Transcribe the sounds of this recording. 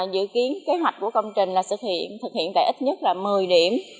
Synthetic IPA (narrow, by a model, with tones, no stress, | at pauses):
zɨ̰˧˨ki˨˦ənke˨˦ɦwa˨˩jk̚ku˧˩əkə˧wŋ͡mt͡ɕï˨˩ŋ̟laː˨˩sɨ˨˩k̚hḭ˧˨ənt̪ʰɨ˨˩k̚hḭ˧˨ənt̪a̰ː˧˨ʔi˦˥t̚ɲə˦˥t̚laː˨˩mɨ˨˩əjɗi˧˩əm